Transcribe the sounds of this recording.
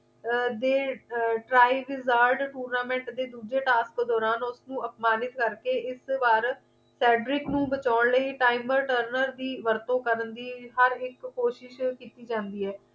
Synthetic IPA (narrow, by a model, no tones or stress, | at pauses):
d̪eːʈɾaːiʋɪzaːɾɖʈuːɾnaːmɛ̃ːɳʈd̪eːd̪uːd͡ʒeːʈaːskd̪ɔːɾaːnʊsnũːəpmaːnɪt̪kəɾkeːɪsbaːɾ | sɛːɖɾɪknũːbət͡ʃaːɳləiːʈaːɪməɾʈəɾnəɾd̪iːʋəɾt̪õːkəɾənd̪iːɦəɾɪkːoːʃɪʃkiːt̪iːd͡ʒãːnd̪iːɛː